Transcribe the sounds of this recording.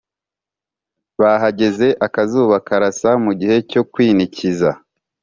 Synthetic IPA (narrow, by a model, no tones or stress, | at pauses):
βaɦaɟe̞ze̞ʔakazuːβakaɾasamuɟihe̞co̞kwiːniciza